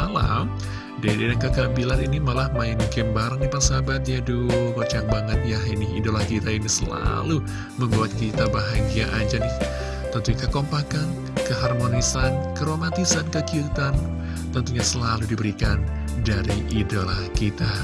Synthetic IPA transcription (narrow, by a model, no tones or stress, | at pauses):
ala̰m | dadadaŋkəkabilaɾinimalahmajɪnkɛmbaɾəŋdipaŋsabat̪̚ɲadukot͡ʃaŋ̚baŋət̪̚jaɦinɪḭdolahkit̪ainisəla̰lu | məmbuat̪̚kit̪abaɦaɡiaʔad͡ʒanɪh | t̪ənt̪uɲk̪akompakan | kəɦarmonisankəɾomat̪isankəkiut̪an | t̪ənt̪uɲasəlaludibəɾikan | daɾiʔidolahkit̪a